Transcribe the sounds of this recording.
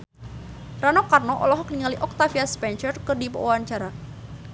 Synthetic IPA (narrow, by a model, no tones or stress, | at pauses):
ranɔkarnɔʔɔ̰lɔɦɔkniŋaliʔɔk̚t̪afiaspɛnʃərkərdipə̰ʔuwaɲt͡ʃaɾa